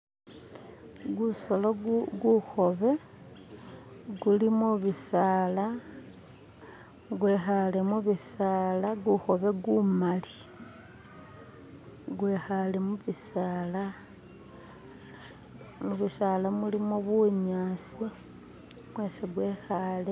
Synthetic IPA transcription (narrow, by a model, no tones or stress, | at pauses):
ɡusoloɡuxo̞βe̞ | ɡulimuβisaːla | ɡwexalemuβisaːlaɡuxo̞βe̞ɡumali̥ | ɡwexale̞muβisala | muβisalamulimoβuɲaːsi | mwe̞seɡwe̞ːxale